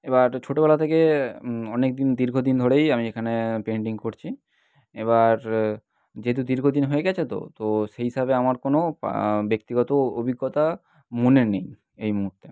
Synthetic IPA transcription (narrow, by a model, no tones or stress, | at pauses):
ebaɾt͡ɕʰoʈobɛlat̪ʰekeɔnek̚d̪ind̪iɾɡʱod̪ind̪ʱoɽejamiekʰanepeɳʈiŋkoɾt͡ɕʰi | eβaɾ | d͡ʑeɦt̪̬ud̪iɾɡʱod̪inɦoeɡɛt͡ɕʰet̪o̰t̪oʃeɦiʃabeamaɾkono̰bekt̪iɡɔt̪oobʱiɡːɔt̪a | muneɾnej | ejmuɦuɾt̪ːe